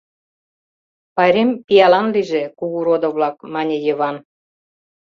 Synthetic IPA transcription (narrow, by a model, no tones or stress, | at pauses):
pɑɾempʲijɑlɑnliʒekuɣuɾod̪ŏβlɑk̚mɑnʲejəβɑn